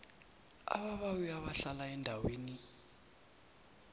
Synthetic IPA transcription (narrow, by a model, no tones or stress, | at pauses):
a̰βaβawiaβaɬalaɛndʱaweːni